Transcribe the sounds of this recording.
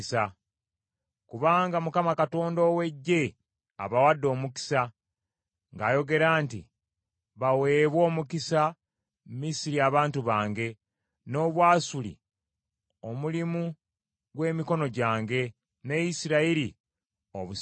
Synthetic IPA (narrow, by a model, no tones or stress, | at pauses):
sa | kuβaːŋɡamukamakato̞ːndo̞we̞ɟːe̞ | a̰βawadːo̞ːmuki̥sa | ŋɡaːjo̞ɡe̞ɾaːntḭ | βawe̞ːβwo̞ːmukisa | mmisiɾiaβaːntuβaːŋɡe̞ | no̞ːβwaːsulḭ | o̞mulimu | ɡwe̞ːmiko̞no̞ɟaːŋɡe̞ | ne̞jisiɾaiɾi | o̰βu